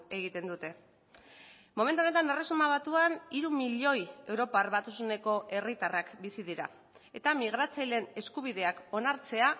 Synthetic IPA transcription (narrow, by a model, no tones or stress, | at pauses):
e̞ɣ̞it̪e̞nd̪ut̪e̞ | mo̞ment̪uone̞t̪ane̞re̞sumaβ̞at̪uaniɾumiʎo̞je̞wɾo̞parβat̪usune̞ko̞ʔe̞rit̪arakbisiðiɾa̰ | e̞t̪amiɣ̞ɾat͡sajle̞ne̞skuβ̞iðe̞ako̞naɾt͡se̞a